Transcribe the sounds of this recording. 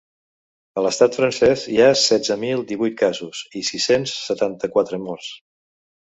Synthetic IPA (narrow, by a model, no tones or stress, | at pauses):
ələst̪at̪fɾənsɛziasɛd͡zəmilˠd̪iβujt̪̚kazuzisisensːət̪ant̪əkwat̪ɾəmɔrs